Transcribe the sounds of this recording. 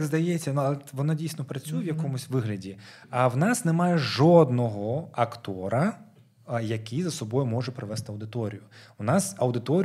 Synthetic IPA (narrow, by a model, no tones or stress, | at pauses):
ɡzd̪ɐjɛt͡sʲːɐnuɐlˠɛʋɔnadʲijsnɔpɾɐt͡sʲujɛʋjɐkɔmʊsʲʋɪɦlʲɐdʲi | ɐwnɑsnemɑjɛʒɔd̪nɔɦɔɐkt̪ɔɾɐ | jɐkijzɐsɔbɔjʊmɔʒɛpɾɪʋɛst̪ɪɐwd̪ɪt̪ɔɾʲijʊwnɑsɐwd̪ɪt̪ɔɾʲ